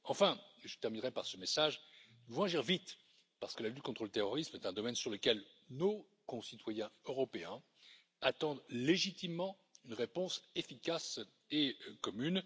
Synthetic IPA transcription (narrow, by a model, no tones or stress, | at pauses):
ɑ̃fɛ̃ʒət̪ɛʁminʁɛpaʁsəmesaʒ | vɔ̃aʒiʁvit̪ | paʁsə̥kəlalyt̪̚kɔ̃t̪χələt̪eʁɔʁismɛt̪ɛ̃d̪ɔmɛnsyʁləkʲɛlno | kɔ̃sit̪wajɛ̃øʁɔpeɛ̃ | at̪ɑ̃d̪leʒit̪imːɑ̃ | ynʁepɔ̃sefikʲas | ekɔmyn